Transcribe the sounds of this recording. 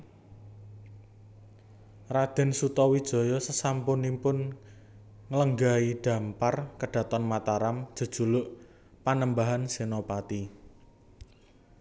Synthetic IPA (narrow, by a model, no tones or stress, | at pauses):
rad̪̥ɛ̤nsut̪ɔwid̥ʒ̥ɔ̤jɔsəsampʊnimpʊn | ŋələŋɡaiɖ̪̥ä̤mparkəɖ̥ä̤t̪ɔnmat̪aɾam̥ʒ̥ə̤d̥ʒ̥ṳlʊʔ | panəmbaɦansenopat̪i